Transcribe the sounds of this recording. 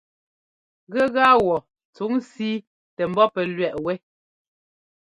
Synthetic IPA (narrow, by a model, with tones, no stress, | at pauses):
ɣɛ˦ɣa˦wɔ˨ | t͡su˨˦ŋsiː˦ | tɛ˨m̩˦bɔ˦pɛ˨lɥɛ˨ʔwɛ˦